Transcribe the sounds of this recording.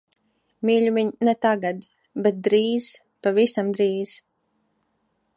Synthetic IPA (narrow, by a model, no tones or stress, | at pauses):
mʲiːʎʲuviɲnɛt̪aɡad̪ | bɛt̪̚d̪ɾiːz̥ | pavisamd̪ɾiːz̥